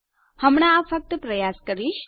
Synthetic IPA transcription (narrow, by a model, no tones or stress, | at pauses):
həmɽ̃aːfək̚t̪əpɾəjaskəɾiʃ